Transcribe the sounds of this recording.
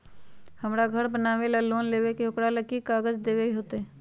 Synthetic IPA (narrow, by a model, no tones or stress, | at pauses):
hɐmɾaɡʱəɾbənaːʋelaloːnleːwekeɦʊkɽaləkːikaːɡəd͡ʒd̪eːwekeɦoːt̪eɦɛː